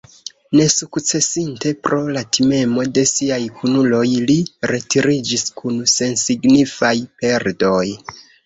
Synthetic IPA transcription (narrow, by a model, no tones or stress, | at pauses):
ne̞sukt͡se̞sinte̞pɾʔo̞latʰime̞mo̞de̞siajkʰunulo̞jliɾe̞tiɾid͡ʒiskunse̞nsiɡnifajpe̞ɾdo̞j